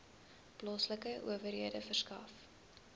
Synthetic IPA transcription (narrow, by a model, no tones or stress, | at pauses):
plɔsləkəʔṵəvərɦiədəfərskɐ̰f